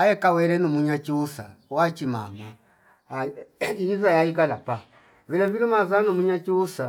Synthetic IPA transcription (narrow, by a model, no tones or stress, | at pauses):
ajɛkawɛɾɛnumuɲat͡ʃiusa̰wat͡ʃima̰ma | iizajaiɡalapa | vilɛviɾimazanumuɲat͡ʃiusa